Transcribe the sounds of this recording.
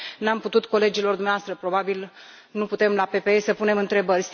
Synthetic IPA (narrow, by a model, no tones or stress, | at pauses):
namput̪ut̪ko̞le̞d͡ʒilo̞rd̪umneaoast̪ɾəpɾo̞babil | nuput̪e̞mlape̞peesəpune̞mɨnt̪ɾe̞bərʲs